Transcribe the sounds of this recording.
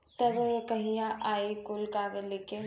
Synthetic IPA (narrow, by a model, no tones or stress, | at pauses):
t̪ɐbkɐɦijãʔaːikʊlkaːɡəleke